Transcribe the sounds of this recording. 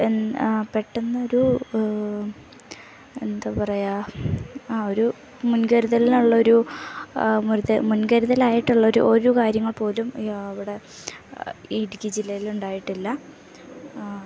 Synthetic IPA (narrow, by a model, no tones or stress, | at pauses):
epeʈːenːɐo̞ɾu | e̞nd̪aːpɐrɐja | o̞ɾu | munɡɐɾuðɐlinuɭːɐo̞ɾu | muɾemunɡɐɾuðɐlaːjiʈːuɭːɐoɾṵʔoɾukaːɾjɐŋːɐɭpo̞ːlumɐʋiɽe̞ | iɽikʲːid͡ʑilːɐjiluɳɖaːjiʈːilːɐ